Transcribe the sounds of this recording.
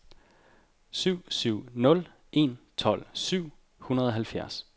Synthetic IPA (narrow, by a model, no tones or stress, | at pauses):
syʊ̰syʊ̰nɔ̽l | ʔe̝̰nt͡sʰɒ̽l̰syʊ̰ | hunɐð̞̩ˠɒ̽ɦælfjæɐs